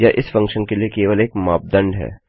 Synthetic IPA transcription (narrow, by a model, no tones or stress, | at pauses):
jaʔɪsfɐ̃ŋkʃənkeliekeːʋəleːkmaːp̚d̪ə̃ɳɖɦɛ̰ː